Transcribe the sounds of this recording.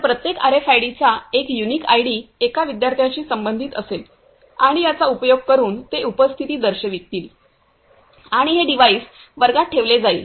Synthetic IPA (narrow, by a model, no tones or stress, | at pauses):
pɾət̪jeka̰ɾefajɽit͡ɕaekjuniːkajɽiːekaʋid̪jaɾt̪ʰjat͡ɕiːsəmbənd̪ʱiːt̪əsel | aɽ̃ijat͡saupəjoɡ̚kəɾuːnt̪eupəst̪ʰit̪iːd̪əɾɕəʋik̚t̪iːl | aɽ̃iɦeɖiʋaiːs | ʋəɾɡaʈʰeʋled͡zaḭ